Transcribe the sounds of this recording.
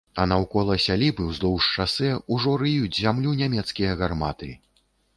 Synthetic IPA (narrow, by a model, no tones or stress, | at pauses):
ɐnɐwkɔlˠɐsʲalʲibɨwzlˠɔwʂt͡ʂasɛuʐɔɾɨjut͡sʲzʲamlʲunʲamʲɛt̪skʲijɐɣarmat̪ɨ